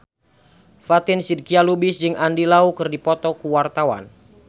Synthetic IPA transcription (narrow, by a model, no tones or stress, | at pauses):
fat̪ɪnsid̪̚kialubɪsd͡ʒɨŋandilaukɨrdipɔt̪ɔkuwart̪awa̰n